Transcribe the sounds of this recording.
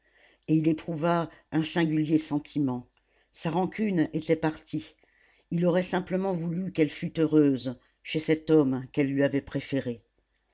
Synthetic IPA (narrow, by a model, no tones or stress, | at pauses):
eilepχuvaɛ̃sɛ̃ɡʲyljesɑ̃t̪ʰimɑ̃ | saʁɑ̃kʲynet̪ɛpaʁt̪i | ilɔʁɛsɛ̃pləmɑ̃vulykɛlfyt̪øʁøz | ʃesɛt̪ɔmkɛlːɥiavɛpχefeʁe